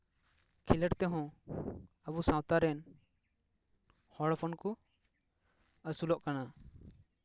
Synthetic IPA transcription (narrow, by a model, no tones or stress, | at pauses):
kʰiləʈt̪ɛɦɔ̃ | əβusãwt̪aɾɛn | hɔɽpʰɔnku | əsulɔʔkana